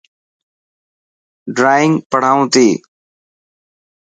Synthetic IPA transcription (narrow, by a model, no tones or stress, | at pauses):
ɖɾaːɪŋɡpəɽ̤aːũːt̪eː